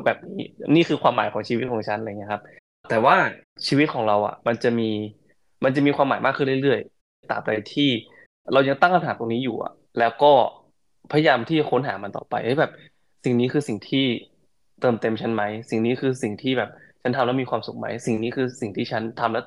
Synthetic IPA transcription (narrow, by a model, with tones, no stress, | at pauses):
bɛː˨˩p̚niː˦˥niː˥˩kɯː˧kʰwaː˧mːaː˨˩˦jkʰɔː˩˦ŋt͡ɕʰi˧wi˦˥t̪̚kʰɔː˩˦ŋt͡ɕʰa˦˥nʔŋi˦˥˧kʰa˦˥p̚ | t̪ɛː˨˩waː˥˩ | t͡ɕʰiː˧wi˦˥t̪̚kʰɔː˩˦ŋɾa˧wʔa̰˨˩ma˧nt͡ɕa˨˩miː˧ | ma˧nt͡ɕa˨˩miː˧xwaː˧maː˨˩˦jmaː˥˩kʰːɯː˥˩nli˥˩ɾɯ˥˩əj | t̪a̰ː˨˩mɾa˧jt̪ʰiː˥˩ | ɾa˧wja˧ŋt̪a˥˩ŋʔʰa˧nɦaː˩˦t̪o˧ŋniː˦˥juː˨˩ʔa̰˨˩ | lɛː˦˥wkɔː˥˩ | pʰa˧ja˧jaː˧mt̪ʰiː˥˩t͡ɕa˨˩kʰo˦˥nɦaː˩˦ma˧nt̪ɔ̰ː˨˩pa̰˧jʰa˦˥˩bɛː˨˩p̚ | si˨˩ŋniː˦˥kʰɯː˧si˨˩ŋt̪ʰiː˥˩ | t̪ɤː˨˧˩mt̪e˧mt͡ɕʰa˦˥nma˦˥jsi˨˩ŋniː˦˥kʰɯː˧si˨˩ŋt̪ʰiː˥˩bɛː˨˩p̚t͡ɕʰa˦˥nt̪ʰa˧mlɛ˦˥miː˧kʰwaː˧msu˨˩k̚ma̰˦˥jsi˨˩ŋniː˦˥kʰɯː˧si˨˩ŋt̪ʰiː˥˩t͡ɕʰa˦˥nt̪ʰa˧mlɛ˦˥